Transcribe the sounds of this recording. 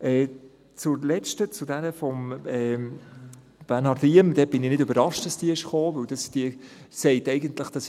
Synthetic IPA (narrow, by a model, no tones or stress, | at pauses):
ʔɛː | t͡sʊɾlɛt͡ʃtət͡sʊdɛɾəfɔmɛ | b̥ænɑɾdiəmd̥̪ɛb̥ɪnɪnɪdɵbəɾɑʃtd̥ɑsd̥iəɪʃχoːvɵwd̥ɑsd̥iə | sɛɪtɛɪɡəntləχd̥ɑs